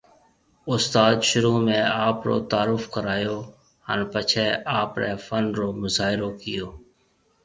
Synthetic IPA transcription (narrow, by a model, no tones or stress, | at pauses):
ʊst̪aːd̪ʃʊɾuːmẽːaːpɾo̰ːt̪aːɾʊfkəɾaːjoː | hə̰npət͡ʃʰeːaːpɾeːfənɾoːmʊzaːɦɪɾoːkɪjoː